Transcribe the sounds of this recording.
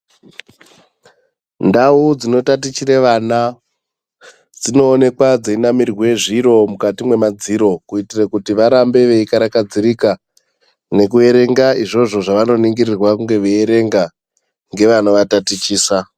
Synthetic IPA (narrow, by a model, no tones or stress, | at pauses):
ndaud͡zino̞tat̬it͡ʃiɾeʋana | d͡zino̞ːne̞kwad͡zeinamirwe̞ʐiɾo̞mukatimwe̞mad͡ziɾo̞kuitirakutiʋaɾambe̞ʋe̞ikaɾakad͡ziɾika | ne̞kue̞ɾe̞ŋɡaiʐo̞ʐo̞ʐaʋano̞niŋɡirirwakuŋɡe̞ʋeeɾe̞ŋɡa | ŋɡe̞ʋanoʋatatit͡ʃiːsa